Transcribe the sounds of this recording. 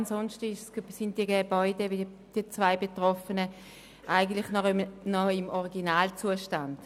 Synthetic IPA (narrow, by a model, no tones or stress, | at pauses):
nsɔnʃtɪʃssɪnd̥iəɡeb̥ɔʏdɛvɪ | d̥iɐt͡svaɪbetʁɔfənə | ʔaɪɡən̩tlɪχnnɔɪmɔʁiɡinaːlt͡suəʃtand̥